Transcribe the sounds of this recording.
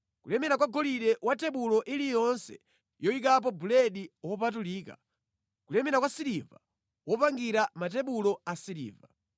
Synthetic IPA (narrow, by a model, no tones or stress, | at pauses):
kulɛmɛɾakwaɡɔliɗɛwʔatɛɓulɔʔilijɔnsɛ̰ | jɔik̬ap̬ɔbulɛɗiwɔpatuliːka̰ | kulɛmɛɾakwasiɾiva | wɔpaŋɡiɾamat̬ɛɓulɔasiɾḭːva